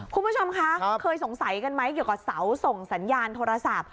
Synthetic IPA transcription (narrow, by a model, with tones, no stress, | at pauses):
kʰu˧nmbu˦˥t͡ɕʰo˧mkʰa˦˥kʰɤː˧js̬o˨˩˦ŋsa˨˩˦jka˧nma˦˥jki˨˩wkaː˨˩sa˩˦wso˨˩ŋsa˩˦njaː˧nt̪ʰoː˧ɾa˧sa˨˩p̚